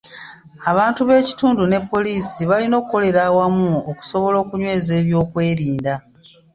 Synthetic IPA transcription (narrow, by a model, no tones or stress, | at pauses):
aβaːntuβe̞ːci̥tuːndune̞pːo̞liːsiβalino̞ːkukːo̞le̞ɾawamuoku̥so̞βo̞lo̞ːkuɲwe̞ːze̞ːβjo̞ːkwe̞ːɾiːnda